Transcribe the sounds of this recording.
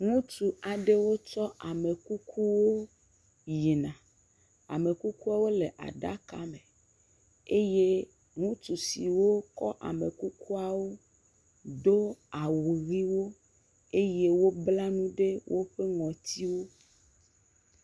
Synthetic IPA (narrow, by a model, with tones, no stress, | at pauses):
ŋũ˦tu˨a˨ɖe˦wo˦t͡ʃɔ˦ʔa˨me˨ku˦kʰu˦wo˦ | ji˨nã˨ | a̰˨me˨ku˦ku˦a˦wo˦le˨ʔa̰˨ɖa̰˦ka˨˦mẽ˨ | e˦je˦ | ŋũ˦t̪u˨si˨wo˦kɔ˦ʔa̰˨me˨ku˦ku˦a˨wo˦ | do˦a˨wu˨ɣi˦wo˦ | e˦je˦wo˦bla˦nũ˦ɖe˦wʔo˦ɸe˦ŋɔ̃˨t̪i˦wo˦